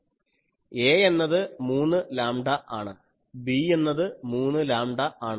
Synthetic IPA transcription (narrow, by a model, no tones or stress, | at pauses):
eːe̞nːɐðɨmuːnːɨlaːmɖɐʔaːɳɨ | bie̞nːɐðɨmuːnːɨlaːmɖɐʔaːɳɨ